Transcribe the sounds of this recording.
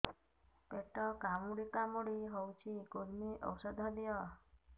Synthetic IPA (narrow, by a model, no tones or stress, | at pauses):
peʈɔkamuɽikamuɽiɦɔwt͡ʃʰikoɾmiʔɔ̰wsəd̪ʱɔd̪ijɔ